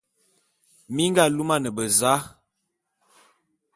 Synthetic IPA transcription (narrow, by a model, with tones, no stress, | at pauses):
mi˦ŋɡa˦˨lu˦ma˦nə˨bə˨za˨˦